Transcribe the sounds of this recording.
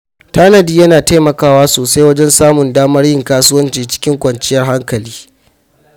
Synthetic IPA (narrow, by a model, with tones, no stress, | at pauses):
taː˦nɐ˨diː˦jɐ˦naː˨ta˦mɐ˨kaː˦waː˦soː˨sa˦jwɐ˦d͡ʒɛ˦nsaː˦mʊ˨ndaː˦mɐ˦rjɪ˦ŋkaː˦sʊ˦wɐ˦nt͡ʃiː˨t͡ʃɪ̥˦kʲɪ˦ŋkʷɐ˨nt͡ʃɪ˦jɐ˦rɦa˦ŋkɐ˨liː˦